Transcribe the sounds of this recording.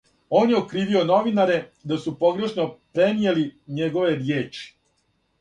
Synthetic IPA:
o̞ːnjeokɾiːʋio̞no̞ʋinaɾe̞d̪asupo̞ɡɾe̞ʃno̞pɾenijeliɲe̞ɡo̞ʋe̞djeːt͡ʃi̥

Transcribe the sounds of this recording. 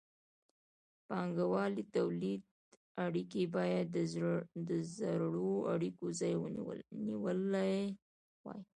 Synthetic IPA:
pɑŋɡawɑlit̪awlid̪ | aɽikebɑjad̪d̪əzaɾɽoa̰ɽikozɑjw̰nḭwəlaj | wɑ̰j

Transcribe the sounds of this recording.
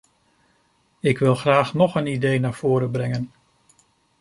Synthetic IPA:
ɪkʋɪlˠχraːχnɔχənidejnaːɹv̥ʊːɾəbrɛŋən

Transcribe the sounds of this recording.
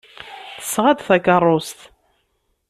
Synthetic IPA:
θə̥sːʁad̪θækərˤːost̪

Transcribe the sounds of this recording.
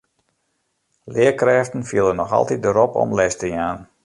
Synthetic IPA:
lɪəkrɛːftən̩fiəlˠənɔxɑ̰lˠtit̚dəɾɔpɔ̰mlɛstəjaːn

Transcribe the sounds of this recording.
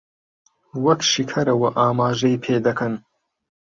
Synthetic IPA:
wɐkʃikʰɐɾɐwɐʔaːmaːʒɐjpʰeːd̪ɐkʰɐn

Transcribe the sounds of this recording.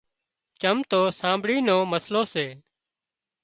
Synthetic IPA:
t͡ʃəmt̪oːsãːmbɽiːnoːməsloːseː

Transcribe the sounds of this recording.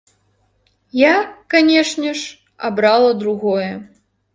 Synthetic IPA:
jakanʲɛʂnʲɛʂ | a̰bɾalˠɐd̪ɾuɣɔjɛ

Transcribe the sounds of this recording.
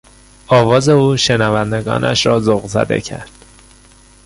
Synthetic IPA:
ɒːvɒːze̞uːʃe̞nævænd̪e̞ɡɒ̰ːnʔæ̰ʃɾɒːzoɣzæ̰d̪ḛcʰæ̰ɾd̪̥

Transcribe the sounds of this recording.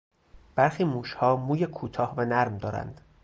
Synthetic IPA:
b̥æɾxiːmuːʃhɒːmuːjekʰuːt̪ʰɒːhvænæɾmd̪ɒːɾæ̰nd̪̥

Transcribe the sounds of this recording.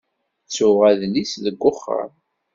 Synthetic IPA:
t͡sːʊʁæðlisðəɡʷːʊχːə̰ɾ

